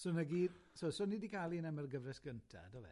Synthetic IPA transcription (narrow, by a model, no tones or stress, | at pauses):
sɔnəɡiːd̥sɔsɔnidikʰalˠinɛmərɡəvrɛsɡ̥əntʰa̰dɔvɛ̰